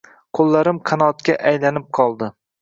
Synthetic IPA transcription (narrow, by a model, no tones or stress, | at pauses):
qʰolˠːaɾɪmqʰɑnɒt̪kʲaʔajlanɪp̚qʰɒlˠd̪ɪ